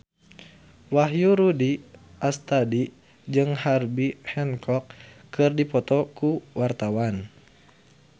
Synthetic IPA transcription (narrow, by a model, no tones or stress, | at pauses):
waɦjuɾudi | ʔast̪adi | d͡ʒɨŋharbihɛnkʰɔk | kːɨrdipɔt̪ɔkuwart̪awan